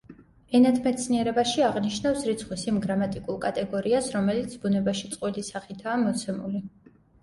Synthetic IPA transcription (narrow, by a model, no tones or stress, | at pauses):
ɛnat̪ʰmɛt̪sʰniɛɾɛbaʃiaʁniʃnafsɾit̪sʰχwisimɡɾamat̪ʼikʼulˠkʼat̪ʼɛɡɔɾiasɾɔmɛlit̪sʰbunɛbaʃit̪sʼqʼwilisaχit̪ʰaːmɔt̪sʰɛmṵli